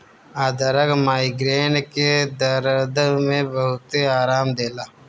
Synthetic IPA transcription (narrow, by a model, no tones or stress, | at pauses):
aːd̪əɾəɡmaːiɡɾeːnked̪əɾd̪mẽbɐɦʊt̪eaːɾaːmd̪eːlaː